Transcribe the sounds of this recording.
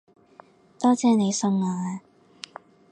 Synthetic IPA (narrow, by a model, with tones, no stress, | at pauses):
t̪ɔː˥t͡sɛː˧ne˨˧jsɵ˧ŋaː˧a˧